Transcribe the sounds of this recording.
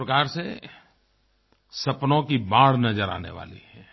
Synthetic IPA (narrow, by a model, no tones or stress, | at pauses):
ɾkaːɾse | sɐpnõkibãːɽnɐd͡ʒəɾa̰ːnḛʋa̰ːlḭhɛː